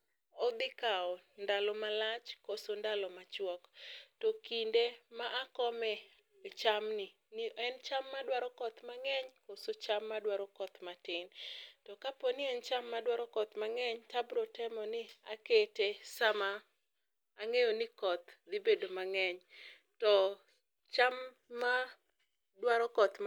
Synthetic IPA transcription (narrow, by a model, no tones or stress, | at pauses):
ɔd̪ɪkaɔndalɔmalat͡ʃkosondalɔmat͡ʃwɔktɔkindemaʔakɔmɛ | t͡ʃamnɪ | niɛnt͡ʃamːadwaɾɔkɔt̪maŋɛɲkosot͡ʃamːadwaɾɔkɔt̪matɪntɔkapɔnɪɛnt͡ʃamːadwaɾɔkɔt̪maŋɛɲtabɾotɛmɔnɪaketesamaː | ŋejonɪkɔt̪d̪ibedomaŋɛɲ | tɔ | t͡ʃamː | a | dwaɾɔkɔt̪